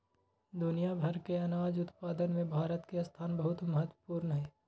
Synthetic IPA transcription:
d̪ʊnijabʱɐɾkeɐnaːd͡ʒʊt̪paːd̪ənmẽbʱaːɾət̪kest̪ʰaːnbəɦʊt̪mɐɦət̪wə̥puːɾnəɦɛː

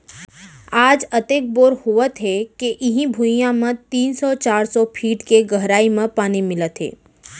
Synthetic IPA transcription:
aːd͡ʒɐt̪eːk̚boːɾhʊət̪ɦɛkeʔɪɦĩbʱuijãmə̃t̪iːnsɔt͡ʃaːɾsɔpʰiːʈkeɡəɦɾaːimẽpaːnimɪlət̪ɦɛ̰ː

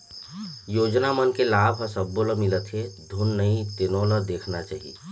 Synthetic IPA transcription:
joːd͡ʒnamənkelaːbʱɦəsəbːoləmɪlət̪ʰɦed̪ʱʊnːəĩt̪enõləd̪eːkʰnat͡ʃa̰ːɦḭ

